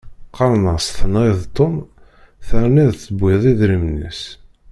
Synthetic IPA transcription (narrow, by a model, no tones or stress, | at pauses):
qːɑɾˤnəsθənʁiðˤt̪ːom | θəɾniðəbːɪðˤiðɾimnḭs